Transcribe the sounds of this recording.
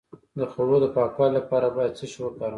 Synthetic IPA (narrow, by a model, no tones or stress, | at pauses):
d̪əxowod̪əpɑkɑlapɑɾabɑjad̪̚t͡səʃiwəkɑɾ